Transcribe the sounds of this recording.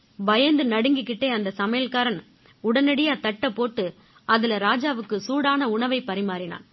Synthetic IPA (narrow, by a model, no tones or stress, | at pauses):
bɐjɐnd̪ɯnɐɽɯŋɡɯkːɪʈːeːɐnd̪ɐsɐmɐjɐlkaːɾɐn | ʊɽɐnɐɽɪjaːt̪ɐʈːɐpːoːʈːɯ | ɐðɪlɐɾaːd͡ʒaːʋɯkːɯsuːɽaːnɐʊɳɐʋɐɪpɐɾɪmaːɾɪna̰ːn